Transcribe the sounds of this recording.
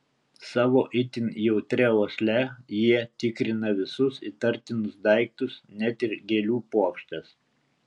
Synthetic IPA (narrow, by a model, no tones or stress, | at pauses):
sɑːʋoːʔɪt̪ʲɪnʲjɛʊt̪ʲɾʲɛoːsʲlʲɛjiɛt̪ʲɪkɾʲɪnɐʋʲɪsʊsɪt̪ɐɾʲt̪ʲɪnʊsd̪ɐˑɪk̚t̪ʊsnʲɛt̪ɪɾɡʲeːlʲuːpuɔkʲʃʲt̪ʲɐs